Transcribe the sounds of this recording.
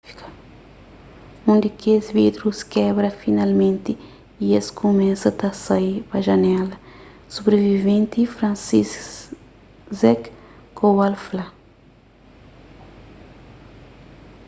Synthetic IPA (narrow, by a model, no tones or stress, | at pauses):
i̥kɐ̥ | õnd̪ikezvid̪ɾuskɛbɾɐfinalmẽnt̪i | ieskomɛsɐt̪asaipɐʒɐnɛlɐ | sobɾevivẽnt̪ifɾãnsis | zɛkkowalfla